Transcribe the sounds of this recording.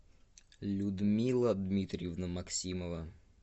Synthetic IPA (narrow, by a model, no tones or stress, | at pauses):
lʲʊd̪mʲilˠəd̪mʲit̪ɾʲɪjɪvnəmɐksʲiməvə